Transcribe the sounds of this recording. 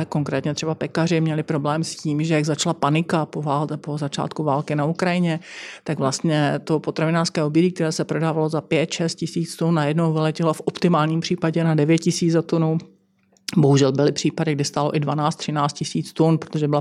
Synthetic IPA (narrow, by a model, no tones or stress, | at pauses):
ko̞ŋkɾɛ̰ːt̪ɲɛt̪r̥ɛbapɛkarɪmɲɛlɪpɾo̞blɛːmsciːmʒɛjaɡzat͡ʃlapanɪkapovaːlɛpozat͡ʃa̰ːt̪kuvaːlkɪnaukɾajɪɲɛt̪aɡvlast̪ɲɛt̪o̞pot̪ɾavɪnaːr̥skɛːʔobjɛɟikt̪ɛɾɛːsɛpɾo̞daːvalo̞zapjɛt̪ʃɛst̪̚cɪsiːt͡st̪unːajɛdnowvɪlɛcɪlafʔopt̪ɪmaːlɲiːmpr̝̥iːpaɟɛnadɛvjɛt̪cɪsiːd͡zzat̪onu | boɦuʒɛlbɪlɪpr̝̥iːpadɪɡ̚dɪst̪aloʔɪdvanaːt͡st̪r̝̥ɪnaːt͡st̪̚cɪsiːt͡st̪unpɾot̪oʒɛbɪla